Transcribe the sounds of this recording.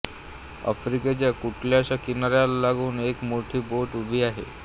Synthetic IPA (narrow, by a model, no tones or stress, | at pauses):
ə̰fɾiket͡ɕjakuʈʰljaɕakinaɾjallaɡuːnekmoʈʰiːboʈubʱiːaɦḛ